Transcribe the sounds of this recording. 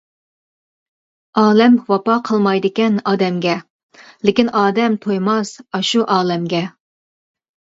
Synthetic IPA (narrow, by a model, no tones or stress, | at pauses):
ɑːlɛmwɑpɑqʰəlˠmɑjd̪ɨkʲɛnɑːd̪ɛmɡʲɛ | lɪkʲinɑːd̪ɛmt̪ʰojmɑsɑʃuʔɑːlɛmɡʲɛ